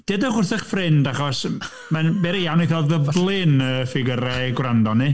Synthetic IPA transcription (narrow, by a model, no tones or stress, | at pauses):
d̥edəχʊrθɛχfrɪndaχɔs | manbɛɾijawniθɔðəblˠɪnəfɪɡəɾɛɡwrandɔni